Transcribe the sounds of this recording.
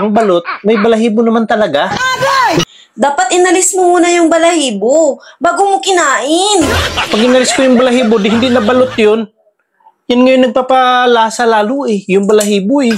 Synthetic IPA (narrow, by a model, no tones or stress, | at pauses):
ɐŋbɐlot̪̚mɐjbɐlɐɦiːbonɐmant̪ɐlɐɡa | d̪aːpat̪ʔɪnɐlɪsmomuːnɐjʊŋbɐlɐhiːbobaːɡʊmokɪnaːʔɪnpɐɡ̚hɪnɐlɪskojʊŋbɐlɐɦiːbod̪ɪɦɪnd̪inɐbɐlot̪̚jon | janŋɐjonːɐɡ̚papalaːsalaːlʊʔɛjʊŋbɐlɐɦiːboʔɛ